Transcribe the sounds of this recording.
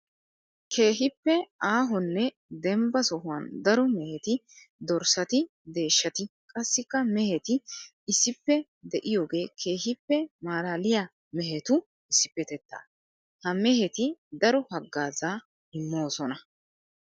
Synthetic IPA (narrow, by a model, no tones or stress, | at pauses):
kʰe̞ːɦɪpːɛaːɦɔnːɛ | d̪ɛmbɐsɔɦʊwɐnd̪ɐɾɔmɛhɛt̪ɪ | d̪ɔɾsɐt̪ɪ | d̪e̞ːʃːɐt̪ɪkʼɐsːɪkːɐmɛhɛt̪ɪ | ɪsːɪpːɛ | d̪ɛʔɪjo̞ːɡe̞ːkʰe̞ːhɪpːɛmaːlaːlɪjaː | mɛɦɛt̪ʊ | ɪsːɪpːɛt̪ɛt̪ːa̰ː | hɐmɛhɛt̪ɪd̪ɐɾɔhɐɡːaːzaː | ɪmːoːsɔnɐ